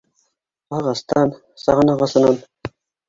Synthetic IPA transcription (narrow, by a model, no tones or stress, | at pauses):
qɑʁɑst̪ɑn | sɑʁɤnɑʁɑsɤ̆nɑn